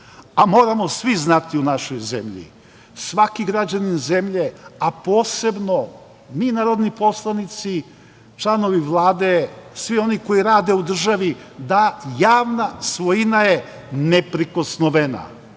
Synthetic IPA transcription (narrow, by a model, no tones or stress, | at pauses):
amo̞ːɾamo̞sʋiznat̪iunaʃojzḛmʎḭ | sʋakiɡɾad͡ʑaninzemʎe̞apo̞ːse̞bno̞ | miːnaːɾo̞d̪nipo̞slˠanit̪si | t͡ʃlˠano̞ʋiʋlˠaːd̪esʋio̞niko̞iɾaːd̪e̞ud̪r̩ʒaʋi | d̪ajaːʋnasʋojinaje | nepɾiko̞snoʋena̰